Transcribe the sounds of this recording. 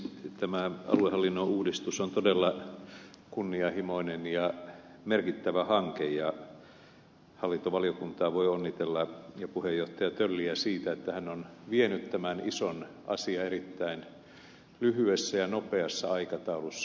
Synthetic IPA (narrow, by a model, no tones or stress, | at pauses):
t̪æmæɑ̰luehɑlːinːouːdist̪usont̪odelːɑ | kunːiɑhimoinenjɑ | merkit̪ːæʋæhɑŋkejjɑ | hɑlːint̪oʋɑliokunt̪ɑːʋoionːit̪elːɑjɑpuhejːoht̪ɑjɑt̪ølːiæsiːt̪æet̪ːæhænːonʋienyt̪tæmænison | ʔɑ̰siɑerit̪ːæin | lyhyesːæjɑnopeɑsːɑɑikɑt̪ɑulusːɑ